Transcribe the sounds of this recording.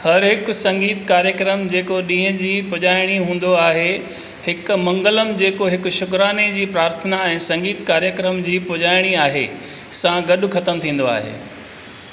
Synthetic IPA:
hɐɾɦɪkʊ̆sɐ̃ŋɡiːt̪kaːɾjəkɾəmd͡ʑeːkoɗĩːɦə̃d͡ʑiːpʊʄaːɪɽ̃iɦũːn̆d̪oaːɦe | hɪkʊ̆mɐ̃ŋɡələmɪ̆d͡ʑeːkoɦɪkʊ̆ʃʊkɾaːned͡ʑiːpɾaːɾt̪ʰənaɛ̃ːsɐ̃ŋɡiːt̪kaːɾjəkɾəmd͡ʑiːpʊʄaːɪɽ̃iaːɦḛ | sãɡɐɗʊ̆xɐt̪əmt̪ʰĩːn̆d̪oa̰ːɦḛː

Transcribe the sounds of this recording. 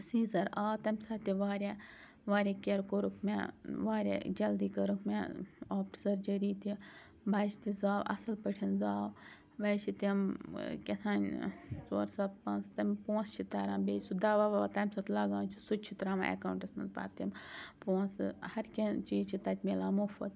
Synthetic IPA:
siːzɐɾaːt̪ɐmʲsɐːt̪iʋaːɾʲe | ʋaːɾʲakeɾkoɾukʰmḛʋaːɾʲḛd͡ʒɐld̪iːkɐɾukʰmeaːpʈsɐɾd͡ʒɐɾiːt̪i | bʱɐːt͡ʃʰi̥t̪izaːwɐ̰sɐlpəʈʰinzaːʋ | ʋɐt͡ʃʰit̪imkʲet̪ʰaːnʲsoːɾsɐt̪̚pɐːnst̪ɐmʲpõːnst͡ʃʰit̪ɐːɾãːbeːsud̪ɐʋaːʋaat̪ɐmʲsɐt̪lɐɡaːnʲt͡ʃʰusut͡ʃʰit̪ɾaːma̰ʔḛkawɳʈɐsnɐnpa̰ːt̪ːimpõːnsɨhɐɾkʲet͡ʃiːd͡ʒt͡ʃʰit̪ɐt̪ʲmelaːmofɐ̰t̪

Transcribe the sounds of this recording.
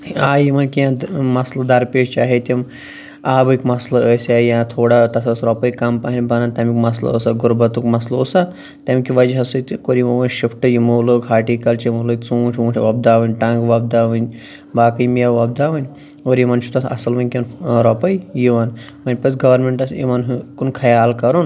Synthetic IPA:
aːjimɐnkijãmɐslɐd̪ɐɾpeːʃt͡ʃaːɦet̪ʲim | aːbɨkʲmɐslɐəsʲajãt̪ʰoːɽat̪ɐsɐsɾɔpɐjkɐmpaɦinʲbɐnant̪ɐmikmɐslɐ̰əsaɡuɾbɐt̪ukmɐslosa | t̪ɐmʲkʲiʋɐd͡ʒɦɐsɨt̪koɾimɐʋɐnʲʃipʰʈɨjimolɨkɦaːʈikɐlt͡ʃimolɨkʲt͡suːʈʰʲũːʈʰʲʋɐb̚d̪aːʋɨnʲʈɐ̃ŋɡʋɐb̚d̪aːʋɨnʲ | baːkɐjmijaʋɐb̚d̪aːʋɐnʲ | oːɾjimɐnt͡ʃʰut̪ɐsɐ̰sɐlʋɐnʲkʲɐnɾɐpɐjjiʋɐnʋɐnʲpɐsɡɐʋɐɾmeɳʈɐsḭʋɐnɦkunkʰɐjaːlkɐɾun

